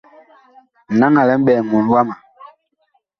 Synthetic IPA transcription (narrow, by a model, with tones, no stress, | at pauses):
na˦ŋa˨lɛ˦m̩˦ɓɛː˨ŋu˨n˦wa˦ma˨